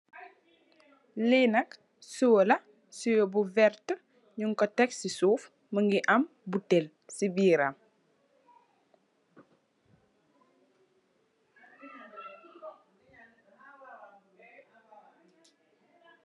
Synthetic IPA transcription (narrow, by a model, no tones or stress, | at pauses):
linɐk | suwəlɐ | sujɔbuvɛrtə | ɲuŋkɔtɛksisuːf | məŋɡiʔɐm | butel | sibiːɾam